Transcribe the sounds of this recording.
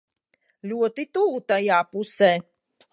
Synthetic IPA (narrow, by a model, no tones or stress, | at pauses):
lʲuɔt̪it̪uːt̪ajaːpusɛː